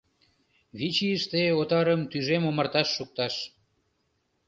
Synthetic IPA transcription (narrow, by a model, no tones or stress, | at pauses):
βit͡ɕiəʃt̪eot̪ɑɾəmt̪yʒemomərt̪ɑʃːuk̚t̪ɑʃ